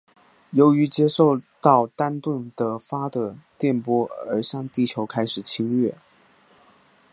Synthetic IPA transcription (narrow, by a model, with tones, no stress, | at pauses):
jo˧˥ʊy˧˥t͡ɕjɛ˥ʂo˥˧ʊt̪ɑ˥˩ʊt̪a˥nt̪wə˥˩nt̪ə˥fa˥d̪ə˨t̪jɛ˥˩npwɔ˥ə̰˞˧˥ɕjɑ˥˧ŋt̪i˥˩t͡ɕʰjo˧˥ʊkʰa˥ɪʂɻ̩˨˩t͡ɕʰi˥ŋɥɥɛ˥˩